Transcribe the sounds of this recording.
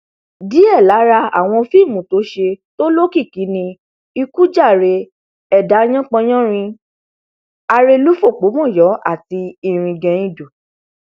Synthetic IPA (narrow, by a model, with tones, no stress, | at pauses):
di˨˦ɛ˦˨la˨˦ɾa˧a̰˦˨w̃ɔ̃˧fi˦˨mũ˨to˨˦ʃe˧to˦lo˦ki˦˨ki˨˦nĩ˧ | i˧ku˦d͡ʒa˦˨ɾe˧ | ɛ˦˨da˨˦j̃ɔ̃˦k͡pɔ̃˧j̃ɔ̃˦ɾ̃ĩ˧ | a˧ɾe˧lu˦fo˦˨k͡po˨˦mɔ̃˦˨jɔ˨˦ʔa˦˨ti˧i˦˨ɾ̃ĩ˧ɡɛ̃˨˧ĩ˦˨do˨